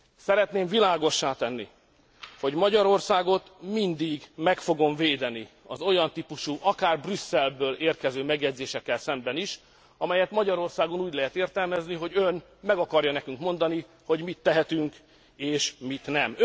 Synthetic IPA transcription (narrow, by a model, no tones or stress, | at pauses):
sɛɾɛt̪neːɱvilaːɡo̞ʃːaːt̪ɛnːḭ | ho̞ɟmɒɟɒɾo̞rsaːɡo̞t̪mind̪iɡmɛkfo̞ɡo̞ɱveːd̪ɛni | ɒzo̞jɒnt̪ipuʃuʔɒkaːrbrysːɛlbøːleːrkɛzøːmɛɡjɛɟ̪zeːʃɛkːɛlsɛmbɛniʃ | ɒmɛjɛt̪mɒɟɒɾo̞rsaːɡonuːɟlɛɦɛt̪eːrt̪ɛlmɛzniɦo̞ɟøn | mɛɡɒkɒrjɒnɛkyŋkmo̞nd̪ɒni | ho̞ɟmit̪ːɛɦɛt̪yŋk | eːʃmit̪nɛm